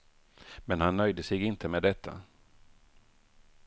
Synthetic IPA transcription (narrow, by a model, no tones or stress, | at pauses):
mɛnhanːœjd̪əsɛɡɪnt̪ʰəmeːd̪ɛt̪ʰːa̰